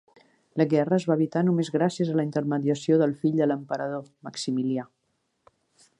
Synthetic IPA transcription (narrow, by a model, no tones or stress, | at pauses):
ləɣɛrəəzβaːβit̪anumezɣɾasiəzələint̪əɾməðiəsioðəlˠfiʎd̪ələmpəɾəðoməksimilia